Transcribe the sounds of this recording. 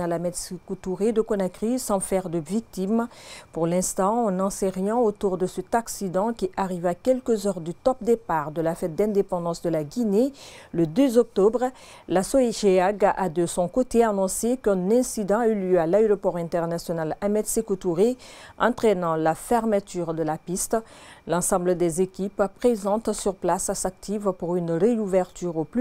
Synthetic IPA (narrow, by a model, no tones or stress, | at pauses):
alamɛd̪sekut̪uʁed̪əkɔnakʁisɑ̃fɛʁd̪əvik̚t̪impuʁlɛ̃st̪ɑ̃ɑ̃nɑ̃seʁjɑ̃ot̪uʁd̪əsət̪aksid̪ɑ̃kʲiʔaʁivakʲɛlkəzœʁd̪yt̪ɔp̚d̪epaʁd̪əlafɛt̪̚d̪ɛ̃d̪epɑ̃d̪ɑ̃sd̪əlaɡʲineləd̪øzɔk̚t̪ɔbʁ | lasoeʒeaɡad̪əsɔ̃kot̪eanɔ̃sekɛ̃nɛ̃sid̪ɑ̃ayljøalaeʁɔpɔʁɛ̃t̪ɛʁnasjɔnalamɛd̪sekot̪uʁeɑ̃t̪χenɑ̃lafɛʁmət̪yʁd̪əlapist̪lɑ̃sɑ̃bləd̪ɛzekʲippχezɑ̃t̪syʁplasasak̚t̪ʰivpuʁynʁeuvɛʁt̪yʁoply